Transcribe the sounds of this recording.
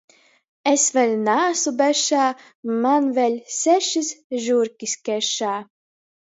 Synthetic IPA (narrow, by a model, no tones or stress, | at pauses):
esvʲɛlʲnaːsubɛʃaː | manvʲɛlʲsʲæʃisʒuɾkʲiskʲɛʃaː